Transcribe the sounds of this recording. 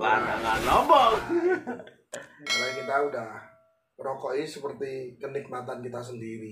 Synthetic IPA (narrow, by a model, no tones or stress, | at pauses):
lana̰ŋanɔmbɔŋ | alakit̪audah | ɾɔkɔʔisəpərt̪ikənik̚mat̪ankit̪as̬əndiɾi